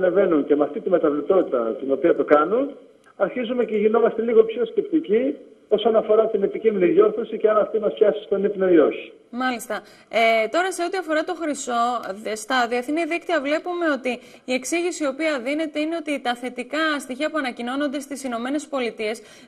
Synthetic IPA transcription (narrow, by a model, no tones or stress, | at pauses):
neve̞nuncemeɐft̪it̪imet̪ɐvlipt̪o̞t̪it̪ɐ̰t̪ino̞piɐt̪o̞kɐnun | ɐɾçizume̞ceʝino̞mɐst̪eliɣo̞pço̞sce̞pt̪ici | o̞so̞nɐfo̞ɾɐt̪ine̞piciminiðjo̞ɾθo̞siceɐnɐft̪imɐst̪çɐsi̥st̪o̞nipnoio̞çi̥ | mɐlist̪ɐ | et̪o̞ɾɐse̞ot̪iɐfo̞ɾɐt̪o̞xɾiso̞st̪ɐðiɐθniðikt̪iɐvle̞pume̞o̞t̪iː | e̞ksiʝisio̞piɐðine̞t̪e̞ine̞o̞t̪it̪ɐθe̞t̪ikɐst̪içiɐpuɐnɐcino̞no̞nd̪e̞st̪isino̞me̞ne̞spo̞lit̪ie̞s